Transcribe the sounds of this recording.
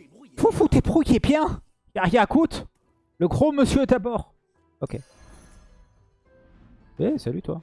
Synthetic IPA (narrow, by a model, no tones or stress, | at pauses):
fufut̪epχukʲebjɛ̃ | jaʁjakut̪ | ləɡʁoməsjøt̪abɔʁ | okʲe | esalyt̪wa̰